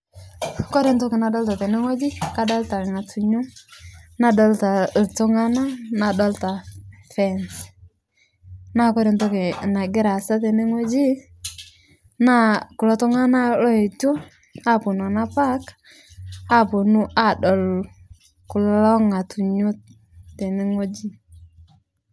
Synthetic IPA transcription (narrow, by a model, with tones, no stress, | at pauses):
kɔ˦ɾɪ˨ntɔ˦kɪ˨na˨dɔ˦lta˨tɛ˨ne˦ŋo˦d͡ʒi˦ka˦dɔ˦lta˨ŋa˨tʰu˨ɲu˦ | na˦dɔ˦lta˨tʊ˦ŋa˦na˦na˨dɔ˦lta˨fɛ˦˨ns | na˦kɔ˦ɾe˨ntɔ˦kɪ˨na˨ɡɪ˦ɾa˨sa˦tɛ˨ne˦ŋo˦d͡ʒi˦ | na˦ku˨lɔ˦tɔ˦ŋa˦na˦lɔ˦e˨to˦ | a˦˨pʊ˨nɔ˨na˦pa˦k | a˦po˨nu˦ʔa˦˨dɔ˨l | ku˨llɔ˦ŋa˨tu˨ɲu˦ | te˨ne˦ŋo˦d͡ʒi˦